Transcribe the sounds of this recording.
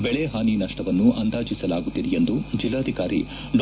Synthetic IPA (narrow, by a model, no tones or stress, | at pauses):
bɛɭeɦaːninɐʂʈɐʋɐnːuʔɐnd̪aːd͡ʒisɐlaːɡut̪ːid̪ɛje̞nd̪ud͡ʒilːaːd̪ʱikaːɾḭ | l